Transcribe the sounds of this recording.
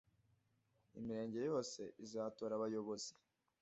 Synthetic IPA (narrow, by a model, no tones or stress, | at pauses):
imiɾe̞ːɲɟe̞jo̞ːse̞ʔizaːtoːɾaβajo̞βozi̥